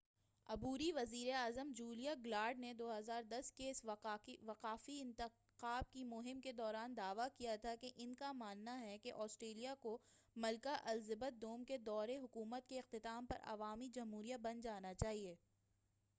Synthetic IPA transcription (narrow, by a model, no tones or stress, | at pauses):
ɐbuːɾiʋɐziːɾeaːzəmd͡ʒuːlijaɡlaːɾɖned̪oːɦɐzaːɾd̪ɐskeɪsʋɐqaːfiɪ̃nt̪ɪ | qaːb̚kimʊɦɪmked̪ɔːɾaːnd̪aːʋakijat̪ʰakeʔɪnkamaːnːaɦɛkeʔɔːsʈɾeːlijako | mɐlkaʔɐlzɪbət̪̚d̪oːmked̪ɔːɾeɦʊkuːmət̪keɪq̚t̪ɪt̪aːmpɐ̰ɾʔɐ̰ʋaːmid͡ʒɐmɦuːɾijabɐ̃nd͡ʒaːnat͡ʃaːɦieː